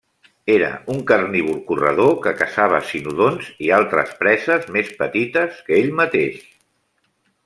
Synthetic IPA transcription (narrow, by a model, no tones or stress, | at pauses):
eɾə̰uŋkərniβulkurə̰ð̞okəkəsaβ̞əsinuðonzialˠt̪ɾə̰spɾɛzəzmespət̪it̪əskəeʎmət̪eʃ